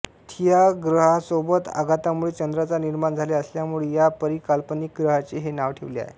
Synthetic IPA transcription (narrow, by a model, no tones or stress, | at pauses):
t̪ʰijaɡɾəɦasobət̪a̰ɡʱat̪amuɭet͡ɕənd̪ɾat͡saniɾmand͡zʱaleəsljamuɭejapəɾikalpənik̚ɡɾəɦat͡ɕeɦenaʋʈʰeʋlea̰ɦḛ